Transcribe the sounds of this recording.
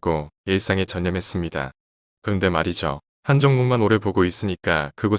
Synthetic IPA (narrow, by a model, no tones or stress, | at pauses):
ɡojes͈ʰaŋet͡ɕʌɲːʌmɦe̞s͈ɯmɲida̰ | kɯɾʌnde̞maɾid͡ʑo̰ | hand͡ʑʌŋmuŋmanoɾepoɡois͈ɯɲik͈akɯɡʌ